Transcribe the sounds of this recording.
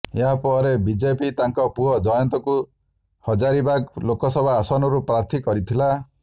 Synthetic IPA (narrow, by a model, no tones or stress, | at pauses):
eɦapɔɾebid͡ʒepit̪aŋkɔpuɦɔd͡ʒɔjɔnt̪ɔku | hɔd͡ʒaɾibaɡlokɔsɔbʱaːsɔnɔɾupɾaɾt̪ʰikɔɾit̪ʰila